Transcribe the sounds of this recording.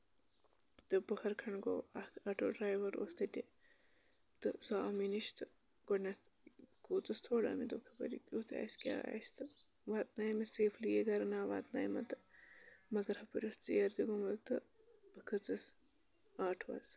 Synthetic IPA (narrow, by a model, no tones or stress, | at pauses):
t̪ɨbɐhɐɾkʰɐɳɡoːɐɐʈo̰ːɖɾaːjʋɐɾo̰ːst̪ɐtʲe | t̪ɨsaːminiʃt̪ɨ | ɡ̥onɐt̪ | koːt͡sɨst̪ʰoːlɐ̰ːmid̪ukʰɐpɐ̰ɾḭkʲuːt̪ʰa̰ːskʲa̰ːa̰sʲt̪ɨ | ʋaːt̪naːjmɐseːfʰlijeɡɐɾɐnaːʋaːt̪naːjmɐt̪ɨ | mɐɡɐɾhɐpɐɾʲiht͡sijɐɾd̪iɡomɐlt̪ɨ | b̥ɨkʰɐt͡sɨs | aːʈʰʋɐ̰z